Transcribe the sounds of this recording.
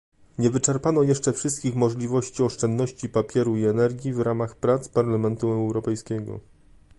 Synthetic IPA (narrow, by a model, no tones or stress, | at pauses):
ɲɛvɘt͡ʂɛɾpanɔjɛʂt͡ʂɛfʂɘst̪̚kʲixmɔʐlʲivɔɕt͡ɕiɔʂt͡ʂɛnd̪nɔɕt͡ɕipapʲjɛɾuiɛnɛɾɡʲivɾamaxpɾat̪spaɾlamɛnt̪uɛwɾɔpɛjskʲɛɡɔ̰